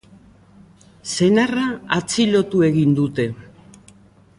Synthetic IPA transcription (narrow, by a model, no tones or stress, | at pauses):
se̞naraat͡silo̞t̪ue̞ɣind̪ut̪e̞